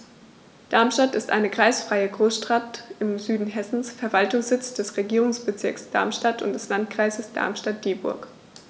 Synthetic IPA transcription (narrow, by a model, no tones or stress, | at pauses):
d̥aɐmʃtatɪstʔa̰ɪnəkʁ̥aɪsfʁ̥aɪəɡʁoːsʃtʁ̥atɪmzyːdn̩ɦɛsn̩sfɛɐvaltʊŋsz̥ɪt͡sd̥ɛsʁeɡiːʁʊŋsb̥ət͡sɪɐksd̥a̰ɐmʃtatʊ̰ntd̥ɛslant̚kʁ̥aɪzəsd̥a̰ɐmʃtat̚d̥eːbʊ̰ɐk